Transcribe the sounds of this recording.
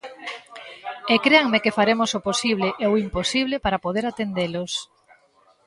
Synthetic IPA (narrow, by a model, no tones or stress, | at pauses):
ekɾeaŋmekefaɾemosʊposiβ̞leʔeʊimposiβlepaɾapoðeɾat̪end̪elos